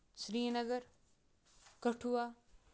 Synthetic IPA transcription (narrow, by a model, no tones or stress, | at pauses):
sɾiːnɐɡɐɾ | kɐʈʰuwaː